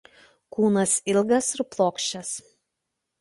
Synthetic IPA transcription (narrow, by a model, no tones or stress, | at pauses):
kuːnɐsɪlʲˠɡɐsɪɾplˠoːkʃʲt͡ʃʲɛs